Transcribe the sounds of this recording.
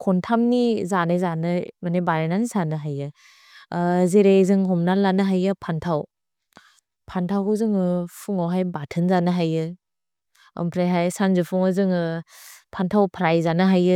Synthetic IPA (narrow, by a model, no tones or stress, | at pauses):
kʰɔntʰamnizanajzanɯmanebaɾenanisanɯɦajɯ | zeɾezɯŋɦɔmnalanɯɦajɯpʰantʰaw | pʰantʰawkʰɯzɯŋɯpʰuŋawɦajbatʰɯnzanɯɦajɯ | ɐ̰mpʰɾajɦajsanzɯpʰuŋɯzɯŋɯpʰantʰawpʰɾajzanɯɦajɯ